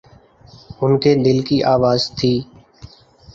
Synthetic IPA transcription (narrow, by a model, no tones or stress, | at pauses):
ʊnkʰeːɗ̪ɪlkiːʔaːʋaːzt̪ʰiː